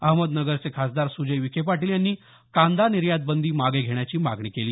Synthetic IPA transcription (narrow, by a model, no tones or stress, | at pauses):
əɦməd̪nəɡəɾt͡sekʰasd̪aɾsud͡ʑəjʋikʰep̬aʈiːljanːiː | kãnd̪aniɾjad̪̚bənd̪iːmaɡeɡʱeɳ̃jat͡ɕiːmaɡɳiːkeliː